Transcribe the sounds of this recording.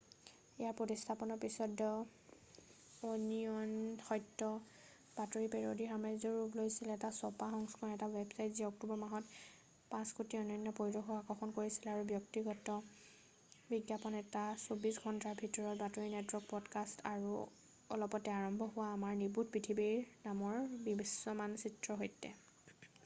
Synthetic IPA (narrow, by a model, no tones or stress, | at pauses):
ɛjaɹpɹotistʰapɔnɔɹpisɔdɔ | onijɔnxɔjtːɔ | b̥atoɹipɛɹodixamazɔɹuplojsilɛtasɔpaɦɔŋskʰɔnɛtawɛbsajtziɔk̚tubɔɹmaɦɔt | pãskutiɔnɔjnːɔpoɹidɔxɔakɔxʰɔnkoɹisilaɹubjɔktiɡɔtɔ | biɡjapɔnɛtasobisɡʱɔntaɹbʱitɔɹɔt̚batoɹinɛtwɔɹk̚pɔdkastaɹu | ɔ̰lɔpɔtɛaɹɔmbʱɔɦʊwaːmaɹnibut̚pɹitʰibiɹnamɔɹbibisːɔmansitɹɔɦojtɛ̰